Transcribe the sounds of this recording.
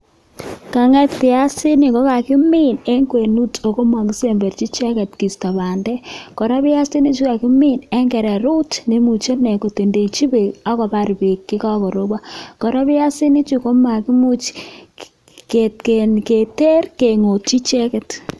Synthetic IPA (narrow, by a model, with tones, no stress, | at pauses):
ka˨ŋɛ˦ktɪ˨a˦sɪ˦ni˨kɔ˦ka˨kɪ˦mi˦ne˦ŋɡwe˨nu˦to˨ko˦mwa˨ɡi˦se˨mbɛ˨rt͡ʃi˦t͡ʃɛ˦kɛ˨tki˨sta˨βa˨ndɛ˦kɔ˨ɾa˦βɪ˦a˦si˦ni˦t͡ʃu˦ka˨kɪ˦mi˦nɛ˦ŋɡɛ˨ɾɛ˨ɾu˦tne˦mu˨t͡ʃo˦nɛ˨ko˨te˨nde˨t͡ʃi˦be˨a˦kɔ˨pa˦ɾbi˨kːɪ˦ka˦kɔ˨ɾo˦ba˦kɔ˨ɾa˦βɪ˦a˦si˦ni˦t͡ʃu˦ko˦ma˨ki˦mu˦t͡ʃ | ke˨tke˨nke˨te˦rke˨ŋo˨t̚t͡ʃi˦t͡ʃɛ˦kɛ˨t